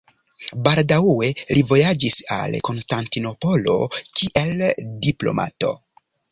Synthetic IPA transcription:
baldawe̞livo̞jad͡ʒisa̰lko̞nstantino̞po̞lo̞̰kʰiʔe̞ldiplo̞̰ma̰to̞̰

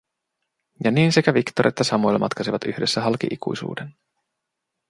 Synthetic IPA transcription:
jɑniːnsekæʋikt̪oɾʔe̞t̪ːæsɑmojlːemɑ̰t̪kɑsiʋɑt̪yhde̞sːæɦɑlkḭʔikṵjsṵːden

